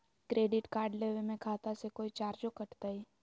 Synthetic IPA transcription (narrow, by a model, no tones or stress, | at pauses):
kɾeɖiʈkaɾɖleʋemẽkʰat̪asekoit͡ʃaɾd͡ʒokəʈt̪aj